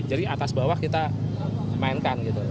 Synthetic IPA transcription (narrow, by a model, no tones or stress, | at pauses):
d͡ʒadiat̪asbawahkit̪a | maɪnkanɡit̪u